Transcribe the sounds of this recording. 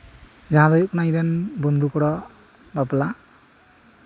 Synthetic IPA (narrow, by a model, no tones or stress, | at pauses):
d͡ʒãd̪ɔjkunajɾenbɔnd̪ukɔɽɔ | bapla